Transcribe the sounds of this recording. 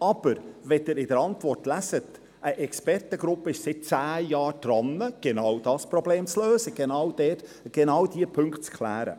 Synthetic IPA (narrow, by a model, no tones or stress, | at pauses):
ɑb̥əɾʋɛdɪɾɪdəɾɑntʋɔrtlæsət | ʔəʔɛkspɛrtəɡɾʊpːəɪʃsɪt̚t͡sæːjɑːɾd̥ɾɑnːəɡ̥enɑwd̥ɑːspɾɔbleːmt͡sløːzəɡ̥enɑwd̥ɛt | ɡ̥enɑwd̪iəpʰɵŋkχtt͡skʰlæːɾə̰